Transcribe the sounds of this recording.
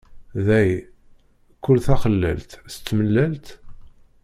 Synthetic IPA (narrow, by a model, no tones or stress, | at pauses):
ðæj | kːʊlθæχəlːæ̰lt̪sə̥t͡sːməlːælt̪